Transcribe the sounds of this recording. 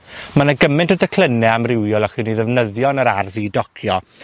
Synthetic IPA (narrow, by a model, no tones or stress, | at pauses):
manaɡəmɪ̃ntədəkʰl̥ˠənɛamrɪwjɔlˠaχɨːniðɛvnəðjɔnəɾarðidɔkʰjɔ